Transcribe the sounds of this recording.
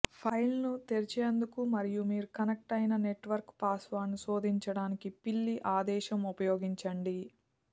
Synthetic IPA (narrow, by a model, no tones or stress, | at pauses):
pʰɐjlnut̪eɾit͡ʃeːnd̪ukumɐɾijumiːɾukɐnɐk̚ʈɐjnɐne̞ʈʋɐɾkpaːsʋɐɾnuso̞ːd̪iɲt͡ʃɐɽaːnikipilːiʔaːd̪ɛːʃɐmupɐjo̞ːɡiɲt͡ʃɐɳɖi